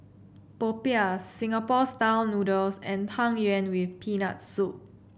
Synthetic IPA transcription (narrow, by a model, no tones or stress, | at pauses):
popiasːĩŋapɔstaʊnudəlsɛ̃ntʰãŋjɛ̃nwifpʰina̰t̚sup̚